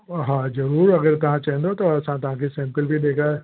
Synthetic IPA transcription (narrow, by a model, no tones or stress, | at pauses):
ɦãːzɐɾuːɾɐɡəɾt̪ɐʋ̤ɦãt͡ʃaɦɛ̃nd̪ot̪oɐsãt̪ɐɦãkʰesɛ̃mkəlbʱid̪eːkʰaːe